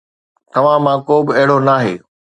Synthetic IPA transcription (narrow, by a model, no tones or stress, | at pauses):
t̪ɐʋ̤ãmãkoːbɪɐɦɪɽ̤onaːɦeː